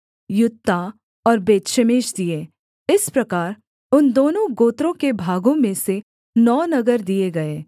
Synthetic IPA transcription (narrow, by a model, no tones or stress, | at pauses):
jʊt̪ːa | ɔːɾbeːt̪ʃəmeːʃd̪ieː | ɪspɾɐkaːɾ | ʊnd̪oːnõɡoːt̪ɾõkebʱaːɡõmẽse | nɔːnɐɡəɾd̪ieɡɐeː